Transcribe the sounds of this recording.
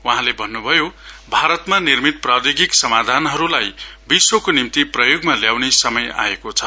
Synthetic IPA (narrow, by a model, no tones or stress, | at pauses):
waɦãlebʱʌnːubʱʌjobʱaɾʌt̪manirmit̪̚prad̪eɡiksʌmad̪ʱanɦʌɾulajbiswokonimt̪iprʌjoɡmaljawnesʌmʌja̰ekot͡sʰʌ